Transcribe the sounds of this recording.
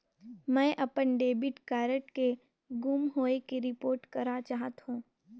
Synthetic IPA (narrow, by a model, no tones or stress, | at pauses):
mɛ̃ːʔɐpənɖeːbɪʈkaːɾəʈke | ɡumɦoːekeɾɪpoːɾʈkɐɾat͡ʃaːɦət̪ɦũː